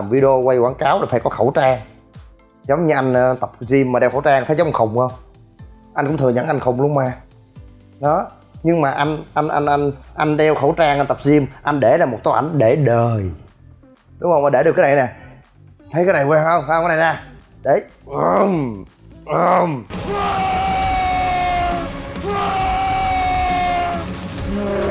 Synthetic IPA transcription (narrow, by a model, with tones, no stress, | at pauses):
a˨˩mvi˧˦ɗo˧kwa˧jkwaː˨˦ŋkaː˨˦wlaː˨˩faː˧˩jkɔ˨˦xə˧˩wt͡ɕaː˧ŋ | zə˨˦wŋ͡mɲɨ˧ʔa˧jŋ̟˧t̪ə˨˩p̚zi˧əmːaː˨˩ɗɛ˧wxə˧˩wt͡ɕaː˧ŋt̪ʰə˨˦zə˦ŋ͡mʔa˧˩xə˨˩wŋ͡mə˧wŋ͡m | ʔa˧nkʊ˧˥ŋ͡mt̪ʰɨ˨˩ɲə̰˧˥nʔa˧jŋ̟xə˨˩wŋ͡mlu˧əmaː˧ | ɗɔ˨˦ | ɲɨ˧ŋmaː˨˩ʔa˧jŋ̟ʔa˧jn̟ʔa̰˧n̟ʔa˧ŋ̟ʔa˧jŋ̟ɗɛ˧wxə˧˩wt͡ɕaː˧ŋʔa˧n̟t̪ə˨˩p̚zi˧əmʔa˧jn̟ɗe˧˩laː˨˩mo˨˩t̚t̪a˨˦ʔa̰˧jŋ̟ɗe˧˩ɗəː˨˩j | ɗʊ˨˦ŋ͡mhə˧wʔaː˧˩ɗe˧˩ɗɨ˨˩kːaː˨˦na˨˩jnɛ˨˩ | t̪ʰə˨˦jkaː˨˦jna˨˩jkwɛ˧hə˧wŋ͡ma˧waː˨˦na˨˩zaː˧˩ɗe˧˩ʔmʔə˧˩m